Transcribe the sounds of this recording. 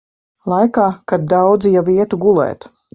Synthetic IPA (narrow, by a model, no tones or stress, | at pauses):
lˠajkaːkad̪̚d̪awd̪zijaviɛt̪uɡulˠɛ̰ːt̪